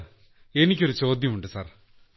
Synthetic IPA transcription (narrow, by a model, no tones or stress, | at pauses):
enikʲːoɾut͡ɕo̞ːd̪ʱjɐmuɳɖɨsa̰ːr